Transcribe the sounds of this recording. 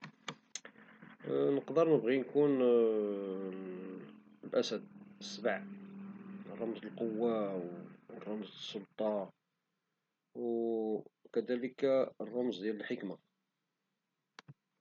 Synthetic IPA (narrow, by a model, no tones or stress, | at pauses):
nəqd̪əɾˤnəbɣinkun | lʔæsæd̪̚əsːbʕ | rˤːɑmzəlqowːawrˤːɑmzsːolt̪ˤɑ | w | kæd̪æləkrˤːɑmzd̪jæləlħəkma